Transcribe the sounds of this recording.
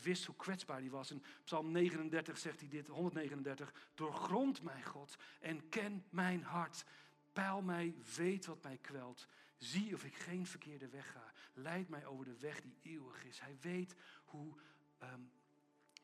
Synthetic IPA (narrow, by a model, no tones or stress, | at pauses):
ʋɪstɦukʋɛtzbaːɹdiʋɑsɛnpsɑlˠmnejχənəndɛɹtəχsɛχtidɪtɦɔndətnejχənəndɛɹtəχd̥ʊːɹχrɔntmɛjχɔtʔɛnkɛnmɛjnɦɑɹt | pɛlˠmɛjʋejtʋɑtmɛjkʋɛlˠtziɔfɪkχejnvəɹkʰɪːɹdəʋɛχaːlɛjtmɛjʔowvəɹdəʋɛχdieːwəχɪshɛjʋejthu